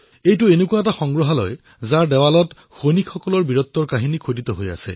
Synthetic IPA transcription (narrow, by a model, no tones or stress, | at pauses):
ejtʊenekuaɛtaxɔŋɡɹɔɦalɔ̰j | zaɹdɛwalɔt | xonikʰːɔkɔlɔɹbiɹɔt̪ːɔɹkaɦinikʰodit̪ɔɦoja̰sɛ̰